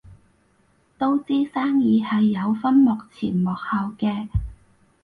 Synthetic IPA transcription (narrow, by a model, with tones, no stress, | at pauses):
t̪o˥wt͡siː˥saː˥ŋjiː˨˧hɐ˨jːɐ˨˧wfɐ˥nmɔː˨k̚t͡sʰiː˨˩nmɔː˨k̚haː˨wkɛː˧